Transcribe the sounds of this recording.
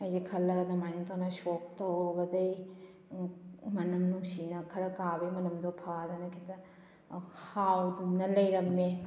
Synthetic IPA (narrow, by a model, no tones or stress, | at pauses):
ɐjzikʰɐlːɐɡɐdɐmajnɐt̪ʰaŋnɐsok̚tɐwbɐdɐj | mɐnɐmnuŋsinɐkʰɐɾɐkabejmɐnɐmdopʰadɐnɐkʰitɐ | hawdumnɐlɐjɾɐme